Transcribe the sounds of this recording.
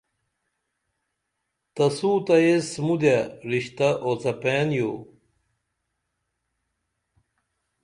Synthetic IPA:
t̪ɐsuːt̪ɐjesmud̪jaɾiɕt̪aʔot͡sɐpeːnjoː

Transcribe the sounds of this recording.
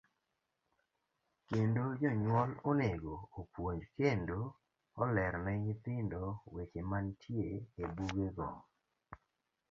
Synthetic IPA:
kendod͡ʒɔɲwɔloneɡoopwoɲd͡ʒkendo | ɔlɛɾnɛŋɪt̪ɪndɔwet͡ʃemantʰjeebuɡeɡɔ

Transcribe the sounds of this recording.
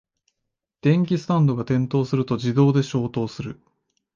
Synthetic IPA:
d̪̥ẽ̞ŋk̬ʲisɨ̥t̪ãnd̪o̞ɡat̪ẽ̞nt̪o̞ːsɨɾɯ̟t̪o̞d͡ʑid̪o̞ːd̪e̞ɕo̞ːt̪o̞ːsɨɾɯ̟

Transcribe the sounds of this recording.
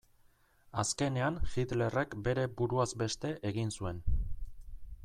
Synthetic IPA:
aske̞ne̞anxit̪le̞re̞kbe̞ɾe̞buɾuazbe̞st̪e̞ʔeɣinsue̞n

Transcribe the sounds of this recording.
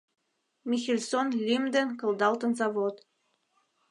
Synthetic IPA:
mixilʲsonlʲimd̪ə̆nkə̆ld̪ɑlt̪ə̆nzɑβot̪

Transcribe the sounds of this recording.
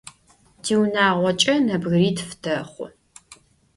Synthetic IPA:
d̥iːwnaːʁʷɔt͡ʃʼɐnɐbɣriːdfdʰɐχʷʊ̰

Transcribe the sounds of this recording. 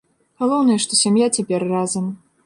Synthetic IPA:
ɣalˠɔwnɐjɛʂt̪ɔsʲamjat͡sʲapʲɛrrazɐm

